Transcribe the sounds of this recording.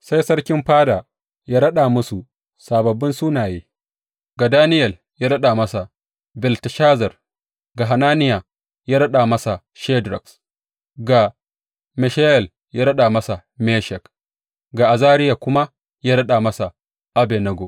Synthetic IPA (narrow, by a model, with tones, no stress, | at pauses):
sa˦jsɐ˦ɽkʲɪ˦mɸaː˦da˨ | jaː˦ɾɐ˦ɗa˨mʊ˦su˨ | saː˨bɐ˨bːɪ˦nsuː˦naː˨jeː˦ | ɡa˨daː˦nɪ˦jɛ˨l | jaː˦ɽɐ˦ɗa˨mɐ˦sa˨ | bɪ˨ltʃaː˦zɐ˨r | ɡa˨ɦa˨naː˦nɪ˦ja˨ | jaː˦ɽɐ˦ɗaː˨mɐ˦sa˨ | ʃeː˦dɾɐ˨ks | ɡa˨ | mɛ˨ʃa˦jɛ˨l | jaː˦ɾɐ˦ɗa˨mɐ˦sa˨ | meː˦ʃɛ˨k | ɡa˨ʔa˨zaː˦ɾɪ˦ja˨kʷʊ˦ma˦ | jaː˦ɽɐ˦ɗa˨mɐ˦sa˨ | ʔa˦bɛ˨nɐ˦ɡo˨